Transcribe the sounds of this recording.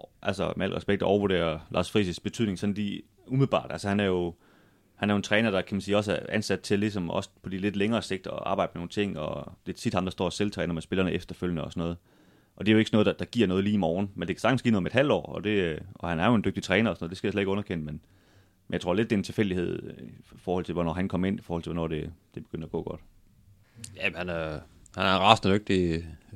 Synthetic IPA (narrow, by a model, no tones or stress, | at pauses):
ʔælsɒmeæl̰ɡʁɛsb̥eɡ̥d̥ˠɒʊɐʋuɐde̝̰ːɐlʔɑ̈ːsfʁḭsisb̥e̝t͡sʰyð̰ˠne̝ŋsɒ̽nli | umiðˠbɑ̰̈ːd̥ælsəhænæɐjo̝ | hænæɐjo̝nt͡sʰʁɛːnɐd̥ɑ̈kʰæmænsiːɒ̽sæɐænsæd̥̚t͡sʰe̝lis̬ɒ̽mɒ̽spʰɒ̽d̥ile̝d̥leŋɐːse̝ɡ̥̚d̥ɒ̽ʔɑ̈ːb̥ɑ̈ɪ̰d̥əmeno̝ːn̩t͡sʰe̝ŋ̰ɒd̥e̝t͡sʰid̥hɑ̈md̥ɑsd̥ɒ̰ːselt͡sʰʁɛːnɐmesb̥e̝lɐnəʔefd̥ɐføljənəɒ̽sɒnɔ̽ːð̞̩ˠ | ʔɒ̽d̥e̝æjoe̝ɡ̥snɔ̽ð̩ˠdd̥ɑ̈ɡ̥iɐ̰nɔ̽ːð̞̩ˠliːmɒːn̩mend̥e̝kʰæsɑ̈ɡ̥n̩sɡ̥ḭːnoðˠmed̥hæl̰d̥ɒ̰ːɒ̽d̥e̝ɒ̽hænæɐjo̝e̝nd̥øɡ̥̚d̥it͡sʰʁɛːnɐɒsɔnɔːð̥ˠesɡ̥æjasled̥e̝ɡɔ̽nɐkʰenəmen | menjɪt͡sʰo̝ɐle̝d̥ːe̝ent͡sʰe̝lfel̰d̥ihe̝ð̞̰ˠfɒːhɒl̰t͡sʰe̝lʋɒnɒ̰ːhænkʰɒ̽mɐe̝nifɒ̰ɔːhɒl̰t͡s̝ʰʋɔnɒ̰ːd̥e̝d̥e̝b̥eɡ̥øn̰dɐæɡ̥ɔ̰̽ːɡ̥ɒ̽d̥ | jæmhænæ | hænæɐʁɑsn̩d̥øɡ̥̚d̥i